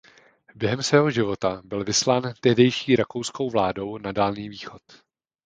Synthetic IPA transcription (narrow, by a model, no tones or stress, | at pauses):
bjɛɦɛmsvɛːɦo̞ʒɪvo̞t̪abɪlvɪslaːnt̪ɛɦdɛjʃiːɾako̞wsko̞wvlaːdo̞wnadaːlniːviːxo̞t̪